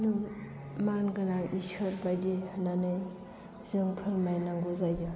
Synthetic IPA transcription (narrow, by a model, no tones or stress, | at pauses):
nu | manɡɯnaʔisɐɾbajdihnanɯj | zɯŋpʰɯlmajnaŋɡuzajdɯ